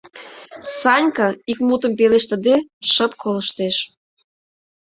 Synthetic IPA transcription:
sɑnʲkɑikmut̪ə̆mpeleʃt̪ə̆d̪eʃəpkʰoləʃt̪eʃ

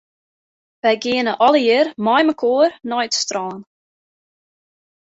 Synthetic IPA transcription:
ʋɛjɡiənəʔɔləjɪrmɔjməkʰoːrnɔjtstrɔːn

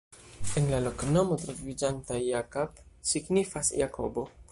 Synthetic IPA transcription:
enlalo̞kno̞mo̞tɾo̞vid͡ʒantajjakopsiɡnifasjakʰo̞̰bo̞

